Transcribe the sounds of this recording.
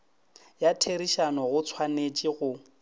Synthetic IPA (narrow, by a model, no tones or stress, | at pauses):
jatʰeɾiʃanɔɣʊt͡sʰwanet͡ʃʼiɣʊ